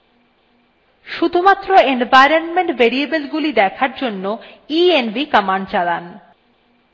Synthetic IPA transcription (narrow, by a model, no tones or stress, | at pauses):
ʃud̪ʱumat̪ːɾoenvajɾonmeɳʈbeɾiebelɡulid̪ɛkʰaɾd͡ʑonːoienbikamaɳɖt͡ɕalan